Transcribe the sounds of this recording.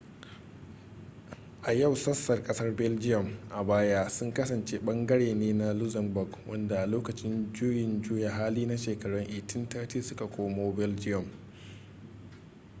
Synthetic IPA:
ʔa˨ja˦˨wsɐ˦sːɐ˨rkʼɐ˦sɐ˦rbɛ˦ld͡ʒɪ˦jɔ˨mʔa˨baː˦jaː˦sʊ˦ŋkɐ˦sɐ˨nt͡ʃeː˦ɓɐ˦ŋɡɐ˦ɽeː˨neː˦na˦lʊ˦zɐ˨nbʊ˨ɡwʔɐ˦nda˨ʔa˨loː˦kɐ˨t͡ʃɪ˦nd͡ʒʊː˦jɪ˨nd͡ʒʊː˦ja˨ɦaː˦liː˦na˦ʃeː˨kɐ˨ɽɔ˦ŋʔɪ˨tɪ˦ntaː˦tiː˦sʊ˦ka˨kʷoː˦moː˦bɛ˦ld͡ʒɪ˦jɔ˨m

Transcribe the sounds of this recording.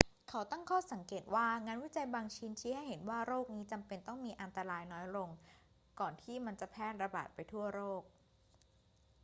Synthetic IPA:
kʰa˦˥wt̪a˥˩ŋkʰɔː˥˩sa˩˦ŋkeː˨˩t̪̚waː˥˩ŋaː˧nwi˦˥˩t͡ɕa˧jbaː˧ŋt͡ɕʰiː˦˥nt͡ɕʰiː˦˥ha˥˩jɦe˩˦nwaː˥˩ɾoː˥˩k̚niː˦˥t͡ɕa˧mpe˧nt̪ɔ˥˩ŋmiː˧ʔa˧nt̪a˧ɾaː˧jnɔː˦˥jɾo˧ŋ | kɔː˨˩nt̪ʰiː˥˩ma˧nt͡ɕa˨˩pʰɛː˥˩t̪̚ɾa˧ba̰ː˨˩t̪̚pa˧jt̪ʰu˥˩ɐɾoː˥˩k̚

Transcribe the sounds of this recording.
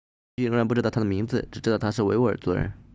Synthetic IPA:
i˥˧ɻŋɻa˧˥npu˥˧ɻɑ˥˩t̪ʰd̪mi˧˥ŋd͡zɹ̩˧ʈ͡ʂɻ̩˨˩ʈ͡ʂɻ̩˥˧ɑ˥˩ʊt̪ʰa˥ʂ̬ɻ̩˥˩we˧˥ɪwu˥ə̰˞˨˩t͡swɔ˥ɻə̰˧˥n

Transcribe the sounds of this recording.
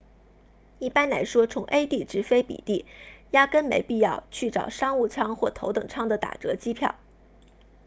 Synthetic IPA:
i˥˩pa˥nla˧˥ɪʂwɔ˥t͡sʰʊ˧˥ŋʔe˥ɪt̪i˥˩ʈ͡ʂɻ̩˧˥fe˥ɪpḭ˨˩t̪i˥˩ja˥kə˥nmḛ˧˥ɪpi˥˧jɑ˥˧ʊt͡ɕʰy˥˩ʈ͡ʂɑ̰˨˩ʊʂɑ˥ŋu˥˩t͡sʰɑ˥ŋxwɔ˥˩t̪ʰo˧˥ʊt̪ɤ˨˩ŋʈ͡ʂʰɑ˥ŋd̪ə˨t̪a̰˨˩ʈ͡ʂɤ˧˥t͡ɕi˥pʰjɑ̰˥˩ʊ

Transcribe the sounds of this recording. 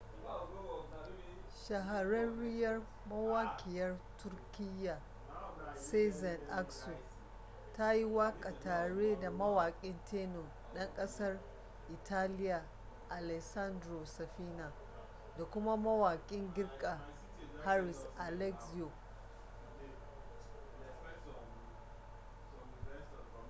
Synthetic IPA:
ʃɐ˨ɦa˨ɾɐ˦nɽɪ˦jɐ˦r | mɐ˦waː˦kʲʰɪ˨jɐ˦rtʊ˦rkʲɪ˦jːa˨ | se˦zɐ˨nʔa˦kso˨ | ta˦ji˦waː˦kʼa˨taː˨ɽeː˦da˨mɐ˦waː˨kʲʼɪ˦ntʰeː˦no˨ | ɗɐ˦ŋkʼɐ˦sɐ˦r | ʔɪ˨tʰaː˦lɪ˦ja˨ | ʔa˨lɛ˨ksa˦ndɾo˨sɛ˨ɸiː˦na˨ | da˨kʷʊ˦ma˦mɐ˦waː˨kʲʼɪ˦ŋɡʲɪ˦rkʼa˨ | ha˦ɾɪ˨sʔa˨lɛ˦ksi˦o˨

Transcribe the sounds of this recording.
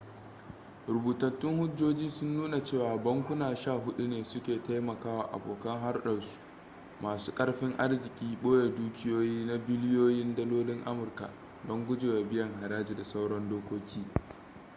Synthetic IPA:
ɾʊ˨buː˨tɐ˨tːɪ˦ŋhʊ˦d͡ʒoː˦d͡ʒiː˦sʊ˦nːuː˦na˨t͡ʃeː˦˨waː˨bɐ˦ŋkʷʊ˦naː˨ʃaː˦˨ɦʊ˦ɗu˦neː˨sʊ˦kʲeː˨ta˦jmɐ˨kaː˦waː˨ʔa̰˨boː˨kɐ˦ŋɦa˦rɗɐ˨ɽsu̥˦ | maː˨su̥ː˦kʼɐ˦ɽɸɪ˦ŋʔa˦rzɪ˨kʲʼiː˦ɓoː˦ja˨duː˦kʲɪ˦joː˦jiː˦na˦bɪ˦lɪ˦joː˦jɪ˦ndɐ˦loː˦lɪ˦ŋʔa˦mʊ˨rka̰˨ | dɔ˦ŋɡʷʊ˦d͡ʒeː˨wa˨bɪ˦jɐ˨ŋɦa˨ɾaː˦d͡ʒeː˨da˨sa˦wɽɔ˦ndoː˦kʷoː˦kʲʰiː˦

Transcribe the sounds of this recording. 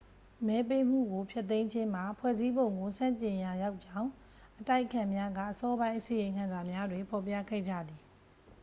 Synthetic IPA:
mɛ˨˦pe˦m̥ṵ˦˨ɡo˨pʰjɛ˦t̪ːẽ˦ɪ̃ɲd͡ʑɪ̃˦m̥a˨pʰwɛ̰˦˨zi˦bõ˨ʊ̃ŋɡo˨sã̰˦˨ɲt͡ɕɪ̃˨ja˨ja˦ʊʔt͡ɕã˦˨ʊ̃ | ʔəta˦ɪʔəkʰã˨mja˦ɡä̰˦˨ʔəsɔ˦bã˦ɪ̃ʔəsĩ˨jɪ̃˨ŋkʰã˨nza˨mja˦dwe˨pʰɔ˨pja̰˦˨ɡɛ̰˦˨d͡ʑä̰˦˨d̪i˨

